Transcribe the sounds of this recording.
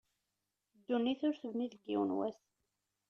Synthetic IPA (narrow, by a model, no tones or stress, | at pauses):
d̪ːunːiθʊɾθəvniðəɡːḭwənwæ̰s